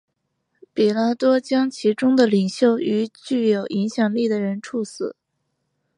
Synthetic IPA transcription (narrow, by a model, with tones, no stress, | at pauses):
pi˨˩la˥t̪wɔ˥t͡ɕjɑ˥ŋt͡ɕʰi˧˥ʈ͡ʂʊ˥ŋd̪ə˨li˨˩ŋɕjo˥˩ʊy˧˥t͡ɕy˥˩jo˨˩ʊʔi˧˥ŋɕjɑ˨˩ŋli˥˩d̪ə˩ɻə˧˥nʈ͡ʂʰu˥˩sɹ̩˨˩˦